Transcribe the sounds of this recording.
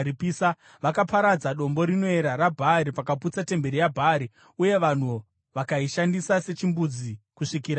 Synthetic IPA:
ipisa | ʋakapaɾad͡zaɗo̞mbo̞ɾino̞eɾaɾabʱaɾipakaput͡sate̞mbe̞ɾijabʱaɾi | uje̞ʋan̤u | ʋakaiʃandisase̞t͡ʃimbud͡zikuʂikiɾa

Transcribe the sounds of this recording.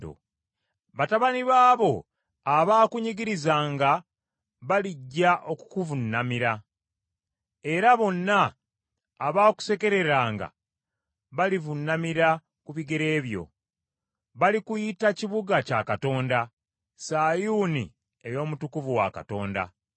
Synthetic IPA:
o̰ | βataβaniβaːβo̞ | aβaːkuɲiɡiɾizaːŋɡa | βaliɟːaʔo̞ku̥kuvunːamiɾa | e̞ɾaβo̞nːaː | βaːku̥se̞ke̞ɾe̞ɾaːŋɡa̰ | βalivunːamiɾa | kuβiɡe̞ɾe̞ːβjo̞̰ | βalikujitaciβuɡaca̰kato̞ːnda | saːjuːnḭ | e̞jo̞ːmutukuvuwa̰ka̰to̞̰ːnda̰

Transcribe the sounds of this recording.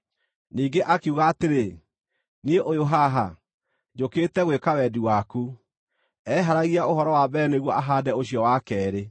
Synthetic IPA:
niːŋɡeʔakuɣaːteɾe | nieʔojoɦaɦa | d͡ʑokeːtɛɣwekawɛdiwaku | ɛɦaɾaɣiaohɔɾɔwabɛneɣwɔʔaɦaːdɛoɕjɔwakɛːɾe

